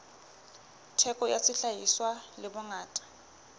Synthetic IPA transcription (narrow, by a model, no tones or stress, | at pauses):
tʰɛkʼɔja̰sɪɬajiswalɪbʊŋaːtʼḁ